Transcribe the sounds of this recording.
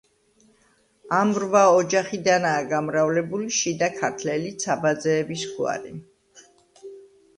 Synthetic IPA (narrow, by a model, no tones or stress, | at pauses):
amɾvaɔd͡ʒaχid̪anaːɡamɾavlɛbuliʃid̪akʰaɾt̪ʰlɛlit̪sʰabad̪zɛːbisχua̰ɾḭ